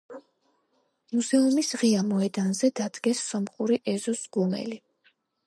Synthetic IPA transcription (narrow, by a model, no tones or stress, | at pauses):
muzɛumisʁiamɔɛd̪anzɛd̪ad̪̥ɡɛsːɔmχuɾiʔɛzɔsɡumɛ̰li